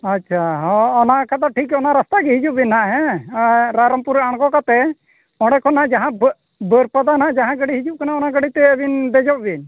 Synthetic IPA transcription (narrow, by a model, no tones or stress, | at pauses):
atːt͡ʃʰaɦɔɔnakat̪aʈʰikɔnaɾast̪aɡɛɦid͡ʒuʔ̚binːaʔɦɛ̃ | ɾaɾəmpuɾaɽ̃kɔkat̪ɛ | ɔɽɛkʰɔnaʔd͡ʒaɦã | bəɾpad̪anaʔd͡ʒaɦãɡəɽiɦid͡ʒup̚kanaɔnaɡəɽit̪ɛbind̪ɛd͡ʒɔp̚bin